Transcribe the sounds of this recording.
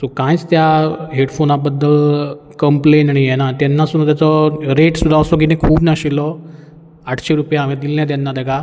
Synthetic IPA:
sokãjt͡st̪jaɦeɽfonabəd̪ːəl | kəmplenaɽijɛnat̪janːasunt̪jat͡sɔɾeʈsud̪ʱasɔɡinekʰuːbnaɕilɔ | aʈʰɕeɾupjaːʋẽd̪ilːjat̪janːad̪əɡa

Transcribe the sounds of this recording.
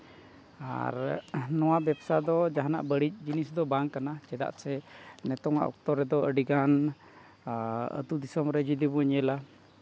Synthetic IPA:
a̰ɾnɔwabɛpsad̪ɔd͡ʒaɦana̰ʔbəɽit͡ʃ̚d͡ʒinisd̪ɔbaŋkanat͡ʃɛd̪a̰ʔsɛnɛt̪ɔŋa̰ʔɔ̰k̚t̪ɔɾɛd̪ɔʔəɖiɡan | ə̰t̪ud̪isɔmɾɛd͡ʒid̪ibuəɲɛla

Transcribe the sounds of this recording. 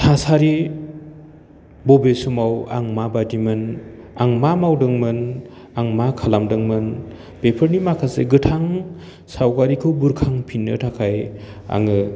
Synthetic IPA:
tʰasaɾi | bɔbesumawa̰ŋmabadimɯnaŋmamawdɯŋmɯn | aŋmakʰalamdɯŋmɯn | pepʰɯɾnimakʰasḛɡɯtʰaŋ | sawkaɾikʰɯwbuɾkʰaŋpʰinːɯtʰakʰaj | a̰ŋɯ

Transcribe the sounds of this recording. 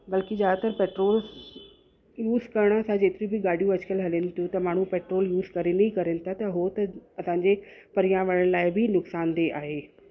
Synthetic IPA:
bɐlkid͡ʑaːt̪əɾpeːʈɾoːl | juːzkɐɾɽ̃əsãd͡ʑeːt̪ɪɾĩbɪɡaːɽ̤ʱijũɐt͡ɕkəlɦɐlent̪ʰjũt̪ɐmaːɳ̤ũpeːʈɾoːljuːzkɐɾenɐĩkɐɾẽnɪt̪ʰat̪ɐɦot̪ɐɐsãːɲd͡ʑepɐɾijãʋɐɽəɽ̃laːɪbʱɪnʊksaːnd̪eʔaːɦeː

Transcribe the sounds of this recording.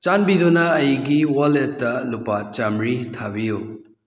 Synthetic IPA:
t͡ʃanbidonaːjɡiwaletːɐlupat͡ʃamɾitʰabiju

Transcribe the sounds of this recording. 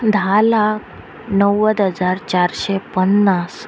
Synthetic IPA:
d̪ʱalak̚ʰ | nəwəd̪ɦəd͡zaɾt͡ɕaɾɕɛpənːas

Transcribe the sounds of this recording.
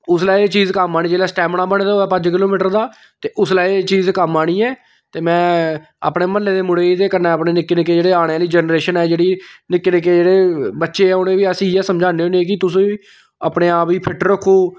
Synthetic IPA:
ʊslaːit͡ʃiːzkəmaːɽiːd͡ʒeːlaːsʈɛːmɳaːbəneːd̪aoːɛːpəd͡ʒkɪloːmiːʈəɾd̪aː | t̪eːʔʊslaːit͡ʃiːzkəmːaːɽ̃iːɛː | t̪eːmɛ̃ː | a̰ːpɽeːməlːeːd̪eːmʊɽeːt̪eːkəɾnaːəpneːnɪkːeːnɪkːeːd͡ʒeːɽeːaːɽ̃eːləiːd͡ʒɛnɾeːʃənɛːd͡ʒeːɽiːnɪkːeːnɪkːeːd͡ʒeːɽeːbətːʃeːɛːʊnẽːʋiːəsĩːɛːsəmd͡ʒaːneːoːneeːk̬ɪt̪ʊs̬ĩːiː | a̰ːpneːaːpiːpʰɪʈɾəkʰːoː

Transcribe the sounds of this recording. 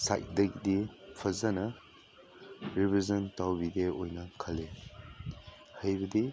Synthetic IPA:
sa̰jt̚dɐɡdipʰɐzɐnɐ | ɾibizɐntawbideojnɐkʰɐle | hɐjbɐdi

